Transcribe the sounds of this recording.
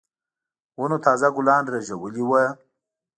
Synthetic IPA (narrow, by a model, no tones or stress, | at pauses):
wunot̪ʰɑːzaɡʊlɑːnɾaʒawəliwə